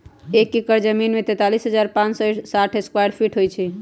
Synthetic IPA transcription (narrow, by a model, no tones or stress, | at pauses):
ekːikəɾd͡ʒəminmet̪ɛt̪alisɦəd͡ʒaɾpãt͡ʃsɔesaʈʰeskwajɖpʰiʈʰɦojt͡ʃʰɛ